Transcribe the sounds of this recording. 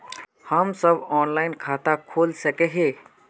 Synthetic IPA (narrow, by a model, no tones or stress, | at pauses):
həmsəbɔːnlaːɪnkʰaːt̪akʰoːlsɐkeɦẽː